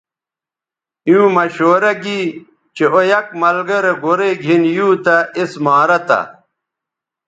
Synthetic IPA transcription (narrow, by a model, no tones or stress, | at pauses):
iũmɐɕoːɾɐɡi | t͡ɕeojɐk̚mɐlɡɐɾeɡoɾeɡʱinjuːt̪ɐismaːɾɐt̪ɐ̰